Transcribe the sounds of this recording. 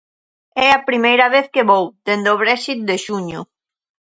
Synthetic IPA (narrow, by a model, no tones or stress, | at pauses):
ɛɐpɾimejɾɐβeθkeβowd̪end̪oβ̞ɾɛʃit̪̚d̪eʃuɲʊ